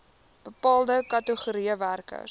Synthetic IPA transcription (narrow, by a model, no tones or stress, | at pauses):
b̥əpɑːlˠdəkɐtəχuɾiəværkə̰